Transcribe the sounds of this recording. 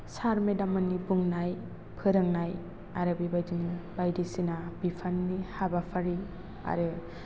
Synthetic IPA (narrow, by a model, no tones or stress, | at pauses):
saɾmedamɯnːibuŋnaj | pʰɯɾɯŋnaj | aɾɯbibajdinib̥ajdisinabipʰanːihabapʰaɾi | a̰ɾɯ